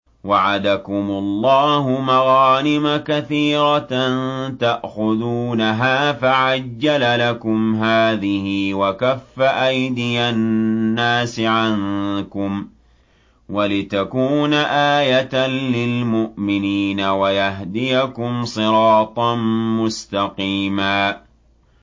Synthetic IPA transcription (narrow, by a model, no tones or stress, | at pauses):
waʕad̪akʊmʊlˤːɑːɦʊmaɣɑːnɪmakaθiːɾɑnt̪aʔxʊðuːnaɦaːfaʕad͡ʒːalalakʊmɦaːðɪhɪwakafːaʔajd̪ɪjanːaːsɪʕankʊm | walɪt̪akuːnaʔaːjat̪anlɪlmʊʔmɪniːnawajaɦd̪ɪjakʊmsˤɨɾɑːt̪ˤɑnmʊst̪ɑqiːmaː